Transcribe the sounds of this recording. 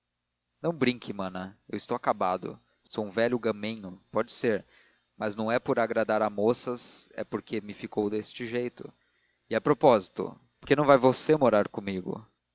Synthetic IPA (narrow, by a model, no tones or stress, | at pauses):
nɐ̃w̃bɾĩŋkʰɪmɐ̃nɐewɪst̪owakabad̪ʊ̰ | sowũvɛʎʊɡɐmẽɲʊpɔd͡ʒɪseɾ | mɐznɐ̃w̃ɛpoɾaɡɾad̪aɾamosɐzɛ̰poɾkʰemɪfikowd̪est͡ʃɪʒejt̪ʊ̰ | ɪapɾopɔzit̪ʊ̰ | poɾkenɐ̃w̃vajvosemoɾaɾkõmiɡʊ̰